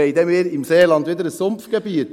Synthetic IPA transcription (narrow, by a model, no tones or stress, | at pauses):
eɪd̪ɛmeːɾɪmseːlɑnd̪ʋiːd̪əɾəsʊmfɡ̥əbiːt̪